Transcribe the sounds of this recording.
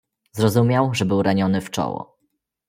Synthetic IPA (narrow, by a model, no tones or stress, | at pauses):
zɾɔzumʲjawʐɛbɘwɾaɲɔnɘft͡ʂɔ̰wɔ̰